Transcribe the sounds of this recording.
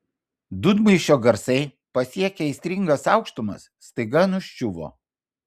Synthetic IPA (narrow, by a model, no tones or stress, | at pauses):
d̪ʊd̪mɐɪʃʲoːɡɐɾsɐɪ | pɐsʲiɛkʲeɛɪsʲt̪ʲɾʲɪŋɡɐsɑˑʊkʃt̪ʊmɐ̰sːt̪ɐɪɡɐnʊʃʲt͡ʃʲʊʋo̰ː